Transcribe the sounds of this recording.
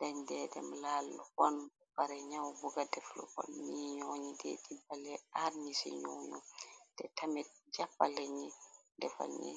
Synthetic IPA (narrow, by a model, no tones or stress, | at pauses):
daɲdɛdɛ̰mlaːlhɔn | baɾɛɲawbuɡadɛflɔ̰kɔ̰nniɲoːɲidɛ̰dibalɛaɾɲisḭɲo̰ːɲṵmd̥ɛtamɛt̚d͡ʒapːalɛɲɛndɛfa̰ɲɛ̰